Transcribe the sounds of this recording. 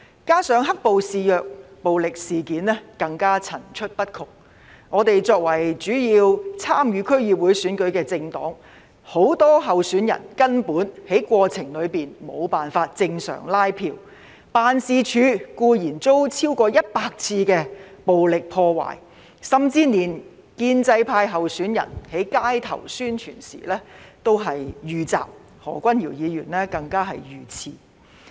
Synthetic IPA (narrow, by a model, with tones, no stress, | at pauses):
kaː˥sœː˨˥ŋɦɐ˥k̚po˨wsiː˨jœː˨k̚po˨wlɪ˨k̚siː˨kiː˨˥nlɛː˥kɐ˧ŋkaː˥t͡sʰɐ˨˩nt͡ʃʰɵ˥t̚pɐ˥t̚kʰʊ˨k̚ | ŋɔː˨˧t̪e˨jt͡sɔː˧k̚wɐ˨˩jt͡ʃyː˨˥jiː˧wt͡sʰaː˥mjyː˨˧kʰɵ˥ɥjiː˨p̚wu˨˥jsyː˨˥nkɵ˨˥ɥkɛː˧t͡sɪ˧ŋt̪ɔ̰ː˨˥ŋ | ho˨˥wt̪ɔː˥ɦɐ˨wsyː˨˥njɐ̰˨˩nkɐ˥npuː˨˥nhe˨˥jkʷɔː˧t͡sʰɪ˨˩ŋlɵ˨˧ɥpiː˨˩nmo̰˨˧wpaː˨˩nfaː˧t̚t͡sɪ˧ŋsœ̰ː˨˩ŋlaː˥jpʰiː˧w | paː˨˧nsiː˧t͡ʃʰyː˨˥kuː˧jiː˨˩nt͡so˥wt͡sʰiː˥wkɔː˧jɐ˥t̚paː˧k̚t͡sʰiː˧kɛː˧po˨wlɪ˨k̚pʰɔː˧wa̰ː˨˩j | sɐ˨mt͡siː˥niː˨˩n | kiː˧nt͡sɐ˧jpʰaː˧jɦɐ˨wsyː˨˥njɐ̰˨˩nhe˨˥jkaː˥jt̪ʰɐ̰˨˩wsyː˥nt͡ʃʰyː˨˩nsḭː˨˩lɛː˥t̪o˥wɦɐ˨jjyː˨t͡sa̰ː˨p̚ | hɔ̰ː˨˩kʷɐ˥njiː˨˩wjiː˨˧jyː˨˩nlɛː˥kɐ˧ŋkaː˥ɦɐ˨jjyː˨t͡sʰiː˧